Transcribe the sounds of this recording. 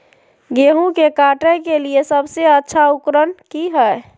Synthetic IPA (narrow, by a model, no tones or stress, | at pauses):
ɡeɦũkekaʈəkeliesəbseətːʃʰaukɾənkiɦəj